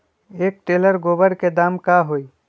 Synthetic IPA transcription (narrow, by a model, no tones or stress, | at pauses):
eːk̚ʈeːləɾɡoːbəɽked̪aːmkaɦoːi